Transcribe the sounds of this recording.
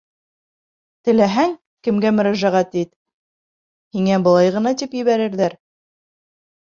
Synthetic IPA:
t̪ɘ̆læɦæŋ | kɘ̆mɡæmɵ̆ɾæʒæʁæt̪it̪ | hiŋæbɤ̆lˠɑjʁɤ̆nɑt̪ipjɘ̆βæɾɘ̆ɾðæɾ

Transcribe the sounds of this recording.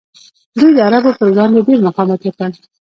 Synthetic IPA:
d̪ujd̪əaɾabopəɾɡɑnd̪eɖeɾmaqɑmɑt̪jakəl

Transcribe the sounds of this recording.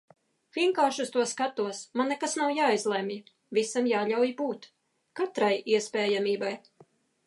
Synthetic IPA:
vʲiɛŋkaːɾʃust̪uɔskat̪uɔsmanːekasnawjaːjzlˠɛmʲi | visamjaːʎʲawjibuːt̪ | kat̪ɾajiɛspɛːjamiːbaj

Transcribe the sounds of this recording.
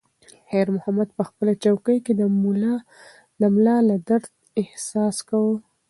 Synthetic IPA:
heɾmʊhamad̪̚pəxpəlat͡ʃawkəjked̪əmulɑ | lamlɑlad̪aɾt̪ | ɪhsɑskawə

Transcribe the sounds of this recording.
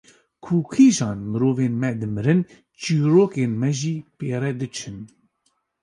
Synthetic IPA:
kʰuːkʰiːʒɑːnmɨɾoːveːnmɛd̪ɨmɨɾɨn | t͡ʃiːɾoːkeːnmɛʒiːpeːɾɛd̪ɨt͡ʃʰɨn

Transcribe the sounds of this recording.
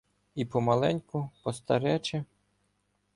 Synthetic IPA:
ipɔmɐlˠɛnʲkʊpɔst̪ɐɾɛt͡ʃɛ

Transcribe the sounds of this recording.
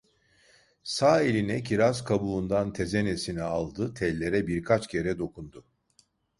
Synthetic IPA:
saːelʲinɛcʰiɾazkʰabuund̪ant̪ʰe̞zene̞sinɛalˠd̪ɯt̪ʰɛlʲːe̞ɾɛbiɾkʰat͡ʃcʰe̞ɾɛd̪o̞kund̪ʊ

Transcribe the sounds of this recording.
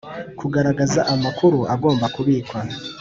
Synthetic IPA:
kʰuɡaɾaɡazaʔamakʰuɾuʔaɡo̞ːmbakuβiːkwa

